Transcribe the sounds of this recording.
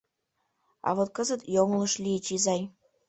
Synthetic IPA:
ɑ̰βot̪̚kəzə̆t̪joŋlɤ̆ʃlʲijət͡ɕizɑj

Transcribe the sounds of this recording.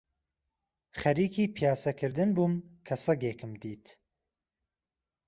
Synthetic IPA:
χɐɾiːkʰiːpʰijaːsɐkʰɨɾd̪ɨnbumkʰɐsɨɡeːkʰɨmd̪iːt̪

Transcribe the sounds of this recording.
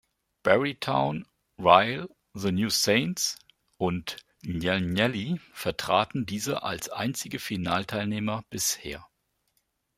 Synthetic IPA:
b̥ɛʁitʰaʊn | ʁaɪl | ðənjuːseɪnts | ʔʊnt | njɛnɛlifɛɐtʁ̥aːtn̩diːzəʔa̰lsʔa̰ɪnt͡sɪɡəfinaːltʰaɪlneːmɐb̥ɪsheːɐ

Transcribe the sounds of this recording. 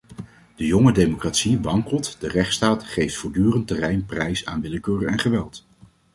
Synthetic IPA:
d̥əjɔŋədejmokraːtsiʋɑŋkəlˠtdərɛχtstaːtχejftfʊːɹdyːrəntərɛjnprɛjsa̰ːnʋɪləkøːrəɛnχəʋɛlˠt

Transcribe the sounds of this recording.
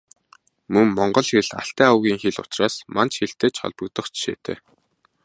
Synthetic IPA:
mɵŋːɔɴɢɞ̆ɮxeɮa̰ɬt̪æːawɣʲiːŋxeɮʊ̰̥t͡ɕraːsmant͡ɕxeɬt̪eːt͡ɕχɔ̰ɮpɞ̆k̚t̪ə̆χt͡ɕʃḛːt̪ʰḛː

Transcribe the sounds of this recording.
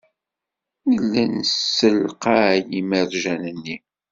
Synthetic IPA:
jəlːænsːəlqɑjimərʒænənːi

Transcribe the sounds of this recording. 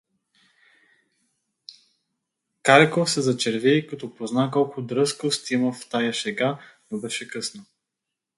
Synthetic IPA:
kaɾkofsɛzɐt͡ʃɛɾvɛjkɐt̪ɔpoznakɔlˠkʊd̪ɾɤskost̪iməft̪ajaʃɛɡanobɛʃɛkɤsnə

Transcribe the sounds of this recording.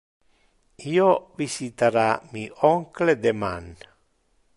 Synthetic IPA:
iːovisit̪aɾamiʔɔŋkled̪ema̰n

